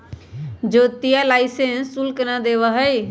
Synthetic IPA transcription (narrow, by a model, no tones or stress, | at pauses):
d͡ʒot̪ijalaɪsẽnsulknad̪eβəɦəj